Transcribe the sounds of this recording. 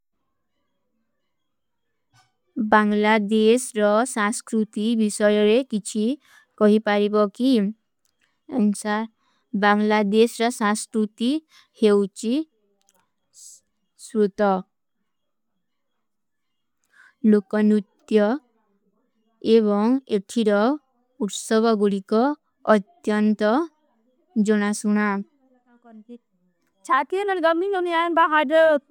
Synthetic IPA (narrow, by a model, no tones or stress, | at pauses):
baŋlad̪esɾɔsãskɾut̪ibisɔjɔɾekit͡ʃʰi | kɔɦipaɾibɔki | ŋsa | baŋlad̪esɾɔsãskɾut̪i | hewt͡ʃi | sɾut̪ɔ | lokɔnut̪jɔ | eβɔŋeʈʰiɾɔ | uʈsɔbɔɡuɽikɔː | t̪jɔnt̪ɔ | d͡ʒɔɽ̃asuɽ̃a | t͡ʃʰakenʌnɡʌmiɡɔnianbaɦaɖ